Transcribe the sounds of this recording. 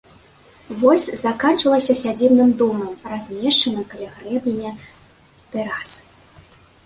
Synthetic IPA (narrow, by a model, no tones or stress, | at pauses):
vɔsʲzakant͡ʂɐlˠɐsʲɐsʲad͡zʲibnɨmd̪ɔmɐmrazʲmʲɛʂt͡ʂɐnɐkalʲaɣɾɛbnʲɨjɛ | t̪ɛɾas